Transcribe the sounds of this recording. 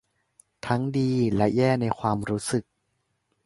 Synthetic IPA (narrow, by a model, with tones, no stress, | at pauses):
t̪ʰa˦˥ŋdiː˧lɛ˦˥jɛː˥˩na˧jkʰwaː˧mɾuː˦˥sɯ˨˩k̚